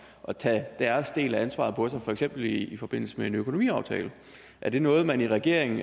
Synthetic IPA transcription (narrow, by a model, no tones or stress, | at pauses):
ʔɒ̽t͡sʰɛd̥æɐsd̥e̝̰ːlæænsʋɑ̰̈ð̩ˠpʰɒ̽sɑ̈ɪfɒ̽eɡ̥sem̰b̥l̩ifɒ̽b̥e̝n̰l̩səmee̝nøkʰo̝no̝mḭːɑ̈ʊt͡sʰɛ̰ːlə | ʔæɐd̥e̝nɔ̽ːð̞̩ˠmæniʁɛɡ̥e̝ɐ̰eŋ̩